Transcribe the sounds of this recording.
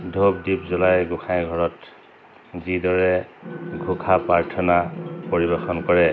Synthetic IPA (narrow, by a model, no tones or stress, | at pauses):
dʱobdipzɔlajɡʊkʰãjɡʱɔɹɔt | zidɔɹɛɡʱʊkʰapaɹtʰɔnapoɹibɛxɔnkɔɹɛ